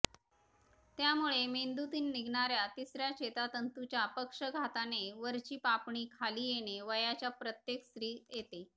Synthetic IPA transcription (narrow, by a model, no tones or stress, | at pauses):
t̪jamuɭemend̪ut̪iːnːiɡʱɳaɾjat̪isɾjaɕet̪at̪ənt̪ut͡ɕjapəkʂəɡʱat̪aneʋəɾt͡ɕiːpapɳiːkʰaliːjeɽ̃eʋəjat͡ɕjapɾət̪jekst̪ɾiːjet̪e